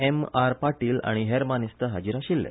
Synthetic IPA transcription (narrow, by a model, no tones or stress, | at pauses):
emaɾpaʈiːla̰ɽ̃iɦeɾmanist̪əɦad͡ʑiɾaɕilːɛ̰